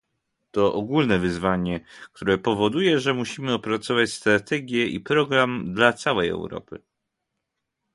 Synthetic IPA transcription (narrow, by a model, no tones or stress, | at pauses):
t̪ɔʔɔɡulnɛvɘzvaɲɛk̚t̪ʰuɾɛpɔvɔd̪ujɛʐɛmuɕimɘɔpɾat̪sɔvat͡ɕst̪ɾat̪ɛɡʲjɛḭpɾɔɡɾamd̪lat̪sawɛjɛ̰wɾɔ̰pɘ̰